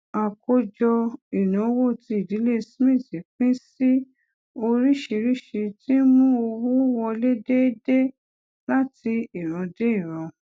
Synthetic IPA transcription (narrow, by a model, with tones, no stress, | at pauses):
a˨ko˧d͡ʒɔ˧i˨nã˨˦wo˦˨ti˧i˨di˨˦le˦˧smĩ˦˨ti˨k͡pĩ˦si˦ | o˧ɾi˦ʃi˧ɾi˦ʃi˧ti˦mũ˦o˧wu˦wɔ˧le˦de˦de˦ | la˦ti˧i˦˨ɾ̃ɔ̃˨˧de˦i˦˨ɾ̃ɔ̃˨˧